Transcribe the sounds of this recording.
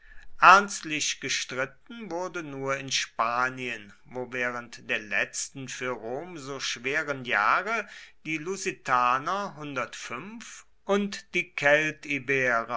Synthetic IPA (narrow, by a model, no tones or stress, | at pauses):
ʔæɐnstlɪɕɡ̥əʃtʁ̥ɪtn̩vʊɐdənuːɐɪnʃpaːniən | voːvɛːʁ̞əntd̥eːɐlɛ̰t͡stn̩fyːɐʁoːmzoːʃv̥eːʁənja̰ːʁəd̥iːluzitʰaːnɐɦʊndɐtfʏnf | ʔʊntd̥iːkʰɛltibeːʁə